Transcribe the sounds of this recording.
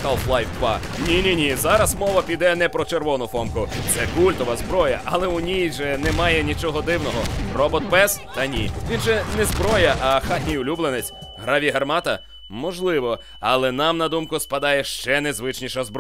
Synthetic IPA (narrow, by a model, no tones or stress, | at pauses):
kalˠflˠajwpɑ̰ | nʲinʲinʲizɑɾɐsmɔʋɐpʲid̪ɛnɛpɾɔt͡ʃerʋɔnʊfɔmkʊt̪sɛkulʲt̪ɔʋɐzbɾɔjɐʔɐlˠɛʊnʲijʒɛnɛmɑjɛnʲit͡ʃɔɦɔd̪ɪwnɔɦɔrɔbɔt̪pɛst̪ɐnʲḭʋʲinʒɛnɛzbɾɔjɐʔɐxat̪ʲnʲijʊlʲublˠenet͡sʲ | ɦɾaʋʲiɦɐrmɑt̪ɐ | mɔʒlˠɪʋɔ | ɐlˠɛnɑmnɐd̪umkʊspɐd̪ɑjɛʃt͡ʃɛnɛzʋɪt͡ʃnʲiʃɐzb